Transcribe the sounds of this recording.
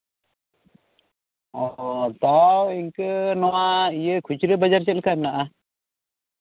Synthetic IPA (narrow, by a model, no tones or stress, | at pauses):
ɔt̪awiŋkənɔwaijəkʰut͡ʃɾəbad͡ʒaɾt͡ʃɛlkamnaʔa